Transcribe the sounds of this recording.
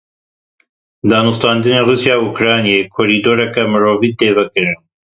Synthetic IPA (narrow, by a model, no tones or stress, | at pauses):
d̪aːnust̪ɑːnd̪ɨneːruːsjaːukɾaːnijeːkʰoːɾiːd̪oːɾɛkɛmɨɾoːvid̪eːvɛkɨɾɨn